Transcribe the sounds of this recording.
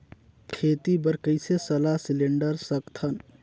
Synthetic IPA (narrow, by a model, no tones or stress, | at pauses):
kʰet̪ibəɾkəɪsesəlasileɳɖəɾsəkt̪ʰən